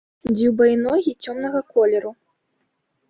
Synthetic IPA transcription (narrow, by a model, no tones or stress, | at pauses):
d͡zʲiwbɐinɔɣʲit͡sʲɔmn̪ɐɣɐkɔlʲɛɾu